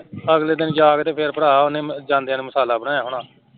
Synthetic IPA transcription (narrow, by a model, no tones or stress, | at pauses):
əɡleːd̪ɪnkaːɡt̪eːpʰɪɾpəɽaːʊnẽːd͡ʒãːnd̪eãːneːməsaːlaːbəɽaːjaːɦʊɽãː